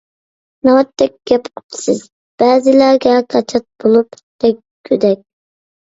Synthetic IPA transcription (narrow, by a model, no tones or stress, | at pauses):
nɑwɛt̪ʰːɛk̚ʲɡ̥ʲɛpqʰʊ̥t̪ʰɨ̥sɨz̥ | b̥æːzɪlæɾɡʲɛqʰɑt͡ʃʰɑt̪̚bolˠup | d̪̥ɛkʲkʲʰːød̪ɛkʲ